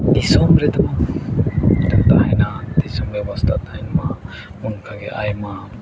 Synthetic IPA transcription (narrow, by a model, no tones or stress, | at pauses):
d̪isɔmɾɛt̪ama | t̪amt̪aɦɛnad̪isɔmbɛbast̪ʰat̪aɦɛnma | unkʰaɡɛʔa̰jma